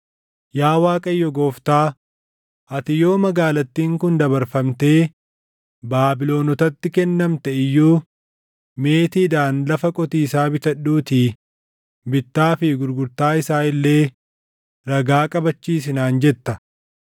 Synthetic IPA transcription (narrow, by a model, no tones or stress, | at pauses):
jaːwaːkʼɐjːɔɡoːft̪aː | ɐt̪ɪjo̞ːmɐɡaːlɐt̪ːiːŋkʊnd̪ɐbɐɾfɐmt̪e̞ː | baːbɪlo̞ːnɔt̪ɐt̪ːɪkɛnːɐmt̪ɛɪjːuː | me̞ːt̪iːd̪aːnlɐfɐkʼɔt̪iːsaːbɪt̪ɐɗːuːt̪iː | bɪt̪ːaːfɪɡʊɾɡʊɾt̪aːɪsaːɪlːe̞ː | ɾɐɡaːkʼɐbɐt͡ʃːiːs̬ɪnaːnd͡ʒɛt̪ːɐ